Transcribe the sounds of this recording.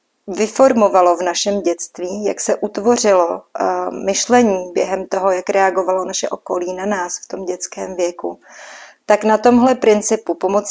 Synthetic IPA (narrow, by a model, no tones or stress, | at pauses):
vɪfo̞ɾmo̞valo̞vnaʃɛmɟɛt͡st̪viːja̰ksɛʔut̪vo̞r̝ɪlo̞ | mɪʃlɛɲiːbjɛɦɛmt̪o̞ɦo̞jakɾɛaɡovalo̞naʃɛʔo̞ko̞liːnanaːsft̪o̞mɟɛt͡skɛːmvjɛku | t̪aknat̪o̞mɦlɛpɾɪnt͡sɪpupo̞mot͡s